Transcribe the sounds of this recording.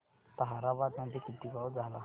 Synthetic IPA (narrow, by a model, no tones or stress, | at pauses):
t̪aɦaɾabad̪nad̪ʱekit̪ːikad͡zʱala